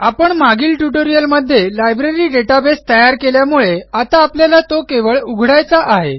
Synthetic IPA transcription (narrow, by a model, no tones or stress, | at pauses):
apəɳmaɡiːlʈuʈoɾijəlməd̪ʱːjelajbɾeɾiːɖeʈabest̪əjaɾkeljamuɭeat̪aːpljalat̪okeʋəɭuɡʱɽajt͡saʔaɦe